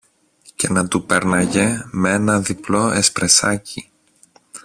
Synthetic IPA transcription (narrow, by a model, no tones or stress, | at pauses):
ce̞nɐt̪upeɾnɐʝemeenɐðiplo̞espɾesɐci